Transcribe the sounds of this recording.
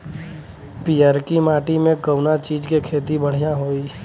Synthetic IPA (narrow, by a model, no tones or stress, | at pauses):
piːaɾkimaːʈimẽɡəʊnat͡ʃiːd͡ʒkekʰeːt̪ibəɽ̤ijaɦoːiː